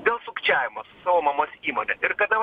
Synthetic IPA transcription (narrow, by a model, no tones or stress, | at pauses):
d̪ʲeːlˠsʊkt͡ʃʲæːʋʲɪmɐssʊ̥sɐʋoːmɐmoːsiːmonʲɛʔɪrkɐd̪ɐ